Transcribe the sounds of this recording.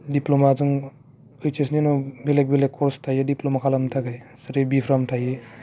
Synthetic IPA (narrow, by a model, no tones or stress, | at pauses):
diplomazuŋ | ɯjt͡ʃesninɔbelek̚belekːɔɾstʰajediplomakʰalamtʰaɡajsɯɾebipʰɾamtʰaje